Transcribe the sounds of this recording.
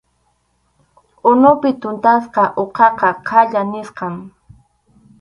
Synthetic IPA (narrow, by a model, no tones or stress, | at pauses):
ʊnʊpɪt̪ʊnt̪asqɑʔoqɑqɑqʰaʎanɪsqɑm